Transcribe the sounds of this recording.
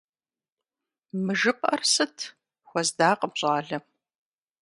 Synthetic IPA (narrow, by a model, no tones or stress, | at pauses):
mɨʒɨpʼɐrsɨtʰ | xʷɔzdaːqʼəbɕʼaːɮɐm